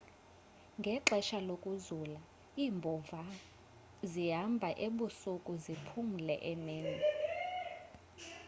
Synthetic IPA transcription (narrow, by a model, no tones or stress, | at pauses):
ŋɡʱɛǁɛʃalokʼuzula | iːmbʱɔva | ziɦambʱaʔeɓusukʼuzipʰum̩lɛ̰ʔɛneːnɛ